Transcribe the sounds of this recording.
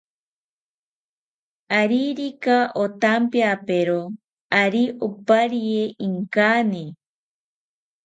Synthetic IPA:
aɾiɾikaʔot̪ampjapeɾo | aɾiʔopaɾieiŋkane

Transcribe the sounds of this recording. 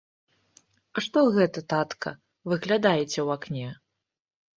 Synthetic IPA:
aʂt̪ɔɣɛt̪ɐt̪at̪kʰɐ̰ | vɨɣlʲad̪ajɛt͡sʲɛwaknʲɛ

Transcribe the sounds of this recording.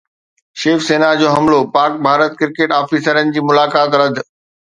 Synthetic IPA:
ʃeːfseːnad͡ʑoːɦɐmlopaːɾk̚bʱaːɾət̪̚kɪɾkeːʈaːfiːsəɾənɪ̆d͡ʑiːmʊlaːkaːt̪ɾɐd̪ʱ

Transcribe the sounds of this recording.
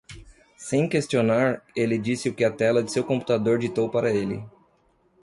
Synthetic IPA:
sẽj̃kest͡ʃionaɾelɪd͡ʒisɪʊkɪɐt̪ɛlɐd͡ʒ̪ɪsewkõmpu̥t̪ad̪oɾd͡ʒit̪owpaɾɐelɪ̰

